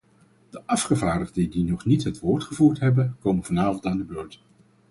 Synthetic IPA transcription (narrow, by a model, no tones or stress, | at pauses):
d̥əʔɑfχəvaːɹdəʁdədinɔχnitɦətʋʊːɹtχəvuːɹtɦɛbənkowmənvɑnaːvɑntaːndəbloːɹt